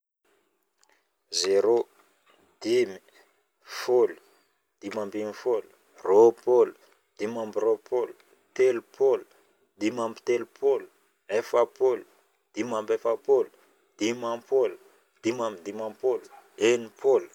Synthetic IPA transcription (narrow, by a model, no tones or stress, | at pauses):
zeɾo | d̪̥imi | folu̥ | d̪̥imambimifolu̥ | ropolu̥ | d̪̥imambiropʰolu̥ | t̪elupʰolu̥ | d̪imambit̪elupʰolu̥ | efapolu̥ | d̪̥imambefapolu̥ | d̪̥imapʰolu̥ | d̪̥imambid̪imãpolu̥ | enipʰolu̥